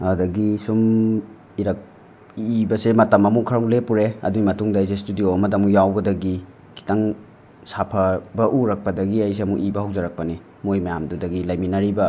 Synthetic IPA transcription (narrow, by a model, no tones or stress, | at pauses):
adɐɡisum | iɾɐk̚ | ibɐsemɐtɐmɐmukʰɐɾɐŋlepuɾeɐ̰duɡimɐtuŋdajzes̬tudijoɐmɐdɐmujawbɐdɐɡi | kʰi̥taŋ | sapʰɐbɐʔuɾɐk̚pɐdɐɡiɐjs̬eɐmṵʔibɐhɐwzɐɾɐk̚pɐni | mojmɐjamdudɐɡilɐjminɐɾibɐ